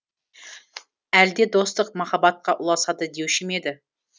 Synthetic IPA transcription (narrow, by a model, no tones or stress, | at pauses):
æld̪ed̪o̞st̪əq̚mɑχɑbɑt̪̚qʰɑʔʊlˠɑsɑd̪əd̪ewʃɪmed̪ɪ